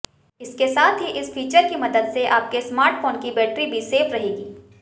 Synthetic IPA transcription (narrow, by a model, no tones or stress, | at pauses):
ɪskesaːt̪ʰɦiʔɪsfʰiːt͡ʃəɾkimɐd̪əd̪seʔaːp̚kesmaːɾʈfoːnkibɛːʈɾibʱiseːfɾɐɦeːɡiː